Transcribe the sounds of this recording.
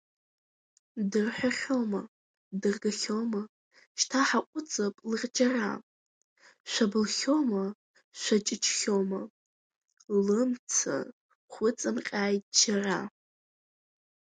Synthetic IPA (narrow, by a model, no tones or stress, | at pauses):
dɨrħʷᶣaχʲoma | dɨrɡaχʲoma | ʃtʰaħaqʷʼʊt͡sʼapʼlɨʁʲʼd͡ʒara̰ | ʃʷabɨlχʲoma | ʃʷat͡ʃʼɪt͡ʃʰʼχʲoma | lɨmt͡sʰa̰ | χʷʊt͡sʼɨmqʲʼaːjtʼd͡ʒara